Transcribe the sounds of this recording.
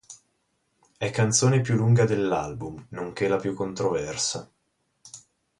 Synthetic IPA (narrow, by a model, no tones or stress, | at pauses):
ɛkːant̪soːnepjulːuŋɡad̪elːalbumnoŋk̟elapjukːont̪ɾovɛrsa